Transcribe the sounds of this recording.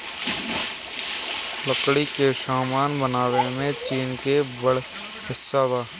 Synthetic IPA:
ləkɽikeʃaːmaːnbənaːwemẽt͡ʃiːnkebəɽ | hɪsːabaː

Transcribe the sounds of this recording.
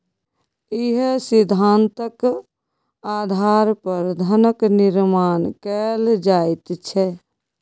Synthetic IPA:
iɦsid̪ʱːant̪ək | ad̪ʱaɾpəɾd̪ʱənəkniɾmankɛld͡ʒajt̪t͡ʃʰɛ

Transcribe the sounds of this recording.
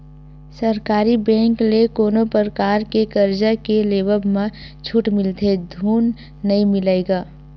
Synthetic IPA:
səɾkaːɾibɛ̃ːŋklekoːnopəɾkaːɾkekəɾd͡ʒakeleːbəbmã | t͡ʃʰuʈmɪlt̪ʰed̪ʱuːnː | əimɪlaeɡaː

